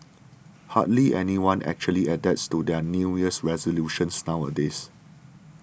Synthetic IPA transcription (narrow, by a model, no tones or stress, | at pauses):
ha̰dliʔɛ̰niwãnɛ̰k̚t͡ʃuəliɛdɛtstudɛnujəsɹɛzoljuʃə̃nsnaʊwə̰des